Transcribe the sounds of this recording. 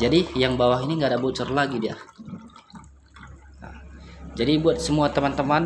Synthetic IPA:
d͡ʒadijaŋbawaɦiniŋɡadabot͡ʃɔrlaɡidia̰ | d͡ʒadibuat̪̚səmuat̪əmant̪əman

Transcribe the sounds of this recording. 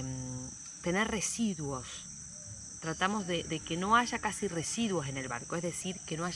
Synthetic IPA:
m | t̪e̞neɾre̞siðwo̞s | t̪ɾat̪amo̞zðeðekeno̞aʒakasire̞siðwo̞s̬e̞ne̞lβa̰ɾkoezðe̞siɾkenoaʒ

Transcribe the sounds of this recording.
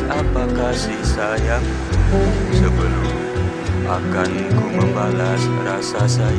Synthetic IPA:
apakasisajaŋ | səbəlʊm | akanikumə̃mbalasrasasaja

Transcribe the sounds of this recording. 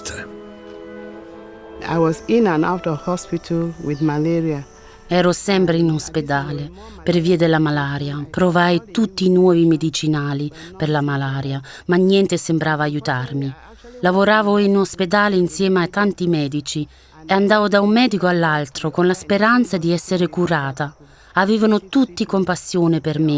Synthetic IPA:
t̪ | a̰ɪwɔzĩnãna̰ʊtɔv̥hɔspitʰəlwiðmalɛɹia | ɛːɾosɛmpɾeinosped̪aːle | perviːad̪elːamalaːɾjapɾovaːjt̪ut̪ːinwɔːvimed̪it͡ʃinaːli | perlamalaːɾja | maɲːjɛnt̪ɪsembɾaːvaːjut̪armi | lavoɾaːvoinosped̪aːleinsjɛːmat̪ːant̪imɛːd̪it͡ʃi | eand̪aːvod̪aumːɛːd̪ikoalːalt̪ɾʊkonlaspeɾant̪sad̪iɛsːeɾekuɾaːt̪a | aveːvanʊt̪ut̪ːikompasːjoːnɪpermi

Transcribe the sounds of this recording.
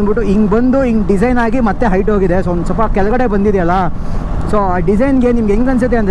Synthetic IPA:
biʈːuiŋɡbɐnd̪uiŋɡɖisɐjnaːɡimɐt̪ːe̞ɦɐjʈɦoːɡid̪e̞soːnd̪usɐlpɐkɛlɐɡɐɽe̞bɐnd̪id̪eɐlːɐ | soːaːɖisɐjnɡe̞nimɐɡeŋɡɐns̬id̪eɐnd̪ɾ

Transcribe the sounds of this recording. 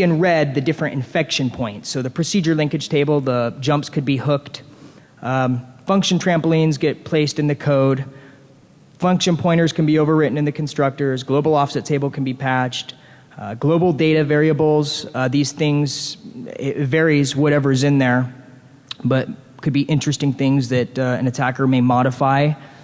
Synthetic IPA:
ɨ̃nɹɛd̪̚ðɨdɪfɹɨ̃ñʔɨ̰̃ɱfɛkʃɨ̃npʰɔ̃ɪ̃ntsoʊðɨpʰɹ̥ɨsid͡ʒə˞lɪ̃ŋkɨd̥ʒ̥tʰeɪbl̩ˠðəd͡ʒʌ̃mpskʰɨd̚bihʊkt | fʌ̃ŋkʃɨ̃n̩tʰɹ̥æ̃mpl̩ĩnzɡɛt̚pʰl̥eɪstɨ̃nðɨkʰoʊd | fʌ̃ŋkʃɨ̃npʰɔ̃ɪ̃ɾ̃ə˞z̥kn̩bioʊvə˞ɹɪʔn̩ɨ̃nðɨkʰn̩stɹ̥ʌk̚tə˞zɡloʊbl̩ˠɔfsɨtʰeɪbl̩ˠkʰn̩bipʰæt͡ʃt | ɡloʊbl̩ˠdeɪɾɨvɛɹiɨbl̩ˠz̥ðiz̥θɪ̃ŋz | vɛɹizwʌɾɛvə˞zɨ̃nðə˞ | b̥ʌt̚ | kʰɨd̚biʔɪ̃nt͡ʃɹ̥ɨstɪ̃ŋθɪ̃ŋzðɨɾɨ̃nɨtʰækə˞meɪmɑɾəfaɪ

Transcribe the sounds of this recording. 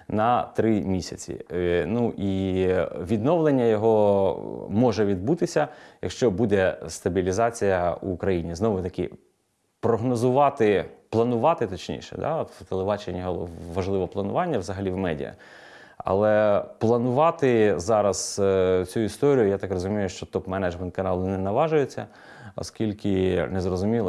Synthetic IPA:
nɐt̪ɾɪmʲisʲɐ̰t͡sʲḭnuʔi | ʋʲid̪nɔʋlˠenʲːɐjɔɦɔ | mɔʒɛʋʲid̪but̪ɪsʲɐjɐ̰kʃt͡ʃɔbud̪ɛst̪ɐbʲilʲizɑt͡sʲijɐṵːkɾɐjinʲiznɔʋʊt̪ɐkɪ̰ | pɾɔɦnɔzʊʋɑt̪ɪplˠɐnʊʋɑt̪ɪt̪ɔt͡ʃnʲḭʃɛ̰d̪ɑ̰ɔt̪wt̪elˠebɑt͡ʃenʲiɦɔʋɐʒlˠɪʋɔplˠɐnʊʋɑnʲːɐʋzɐɦɐlʲiwmɛdʲḭjɐ̰ | ɐ̰lˠɛplˠɐnʊʋɑt̪ɪzɑɾɐz̥t͡sʲuist̪ɔɾʲijʊjat̪ɑkrɔzʊmʲijʊʃt͡ʃɔt̪ɔpmɛnɛd͡ʒmɛnt̪̚kɐnɑlˠʊnɛnɐʋɑʒʊjet͡sʲːɐ̰ | ɔ̰skʲilʲkɪnɛzɾɔzʊmʲilˠ

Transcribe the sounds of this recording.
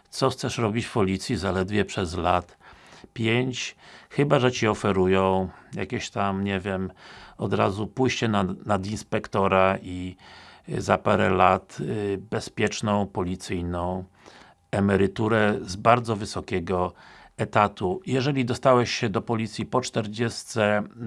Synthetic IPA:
t̪sɔxt̪sɛʂɾɔbʲit͡ɕfpɔlʲit̪sʲjizalɛd̪vʲjɛpʂɛzlat̪pʲjeɲt͡ɕxɘbaʐɛt͡ɕiɔfɛɾujɔ̃w̃ja̰kʲeɕt̪amɲɛvʲjɛmɔd̪ɾa̰zupujɕt͡ɕɛnanad̪inspɛkt̪ɔɾai | zapaɾɛlat̪bɛspʲjɛt͡ʂnɔ̃w̃pɔlʲit̪sɘjnɔ̃w̃ | ɛmɛɾɘt̪uɾɛzbaɾd̪zɔvɘsɔkʲɛɡɔɛt̪at̪ujɛʐɛlʲid̪ɔst̪awɛɕɕɛd̪ɔpɔlʲit̪sʲipɔt͡ʂt̪ɛɾd͡ʑɛst̪sɛ

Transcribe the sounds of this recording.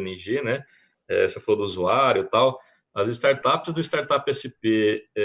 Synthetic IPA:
niʒenɛ | ɛ̰sefalod̪ʊuzuaɾjʊt̪aw | ɐzɪst̪aɾt̪apɪzd̪ʊɪst̪aɾt̪apɛsɪpeɛ

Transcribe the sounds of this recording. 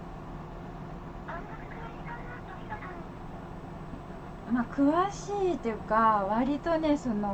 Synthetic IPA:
makɯ̟βaɕiːt̪ːejɯ̟kaβaɾʲit̪o̞ne̞so̞no

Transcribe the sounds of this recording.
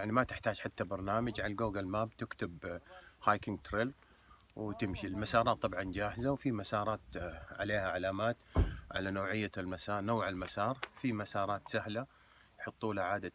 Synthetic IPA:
jaʕnimat̪ɪħt̪aːd͡ʒħat̪ːabɑɾˤnaːmad͡ʒʕalɡoːɡalmaːbt̪ɪkt̪ɪbhaːjkɪŋɡt̪ɾɪlɾ | wt̪ɪmʃilmasɑːɾˤɑːt̪ˤːɑbʕɑnd͡ʒaːhɪzawfimasɑːɾˤɑːt̪ʕa̰leːhaʕalaːmaːt̪ʕa̰lanoːʕɪjːalmasɑːˤnoːʕɪlmasɑːɾˤfimasɑːɾˤɑːt̪sahla | jħɑt̪ˤːuːlaʕaːd̪a

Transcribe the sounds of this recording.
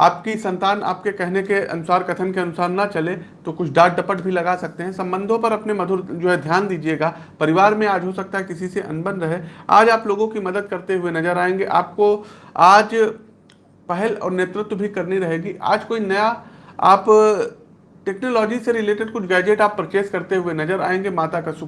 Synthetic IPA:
a̰ːpkisɐ̃nt̪aːna̰ːp̚kekɛɦnekeʔɐ̰nʊsaːɾkɐt̪ʰənkeɐnʊsaːɾːɐt͡ʃɐlet̪okʊt͡ʃʰɖaːʈ̚ɖɐpəʈbʱilɐɡaːsɐk̚t̪eɦɛ̃sɐ̃mbə̃nd̪ʱõpɐɾɐpnemɐd̪ʱʊɾd͡ʒoːɦɛd̪ʱjaːnd̪iːd͡ʒieːɡaː | pɐɾɪʋaːɾmẽaːd͡ʒɦosɐk̚t̪aɦɛkɪsiseʔɐ̰nbə̃nd̪ɾɐɦea̰ːd͡ʒaːploːɡõkimɐd̪əd̪̚kɐɾt̪eɦʊenɐzəɾaːẽːŋɡeʔa̰ːp̚koaːd͡ʒ | pɛɦɛlɔ̰ːɾneːt̪ɾɪt̪bʱikɐɾniɾɐɦeːɡiʔa̰ːd͡ʒkoːinɐjaa̰ːp | ʈeːknoːlɔːd͡ʒiseɾɪleːʈɪɖkʊt͡ʃʰɡɛːd͡ʒeʈaːpːɾɐt͡ʃeːskɐɾt̪eɦʊenɐzəɾa̰ːẽːŋɡemaːt̪akasʊ

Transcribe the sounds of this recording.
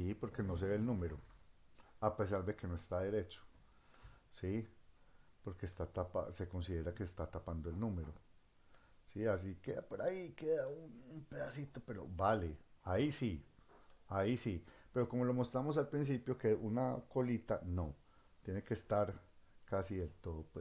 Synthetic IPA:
sipo̞ɾke̞no̞s̬e̞βe̞ːlnũme̞ɾo | ape̞s̬aɾd̪eke̞no̞est̪aðe̞ɾe̞t͡ʃo̥ | si | po̞ɾke̞ːst̪at̪apa̰se̞ko̞ns̬iðe̞ɾakeːst̪at̪apand̪oelnũme̞ɾo | sias̬ikeðapoɾaikeðaunumpeðasit̪o̞pe̞ɾo̞̰baleaisi | aisipe̞ɾo̞ko̞mo̞lo̞mo̞st̪ɾamo̞s̬alpɾins̬ipjo̞keunako̞lit̪a̰no | t̪jeneke̞ːst̪aɾkasiðelt̪o̞ðopwe

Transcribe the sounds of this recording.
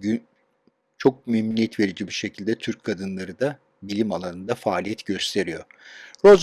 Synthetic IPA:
y | t͡ʃʰo̞k̚memnʲijɛt̪ve̞ɾid͡ʒibiʃe̞cʰilʲd̪ɛt̪ʰyɾc̚kʰːad̪ɯnlˠaɾɯd̪a | bilʲimalˠanɯnd̪afaːlʲijɛt̪ɟø̞st̪ʰe̞ɾijo̞ɾo̞z

